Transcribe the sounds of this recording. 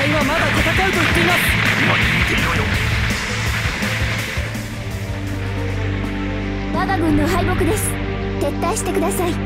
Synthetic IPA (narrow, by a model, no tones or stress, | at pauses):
iβamaɡat̪at̪akaɾɯ̟t̪okʲkʲinoimaiiit̪eijojo | baɡaɡɯ̟̃nːo̞ɦaibo̞kɯ̟d̪e̞sɨ̥ | t̪e̞t̪ːaɕi̥t̪e̞kɯ̟d̪asai